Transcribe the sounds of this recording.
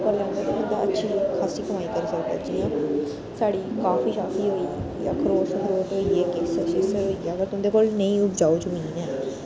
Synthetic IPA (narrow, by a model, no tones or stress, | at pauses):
pəɾlɛ̃nd̪aːt̪ãːʊ̃nd̪aːətːʃʰiːkʰaːsiːkəmaːiːkəɾsəɾbə̰d͡ʒiːãː | saːɽiːkaːfiːʃaːfiːɦoːiː | ja̰ːkʰəɾoːskʰəɾoːʈɦoːiːeːkeːsəʃɪsəɾɦoːiːɛːəɡəɾt̪ʊ̃d̪eːkoːlnəĩːʊpd͡ʒaːoːt͡ʃʊmiiːnɛː